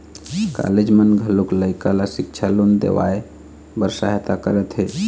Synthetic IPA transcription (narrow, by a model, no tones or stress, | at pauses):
ka̰led͡ʒmənɡʱəlukləjkalasikt͡ʃʰalond̪ḛʋa̰e | bəɾsaɦt̪akəɾɛt̪ɦe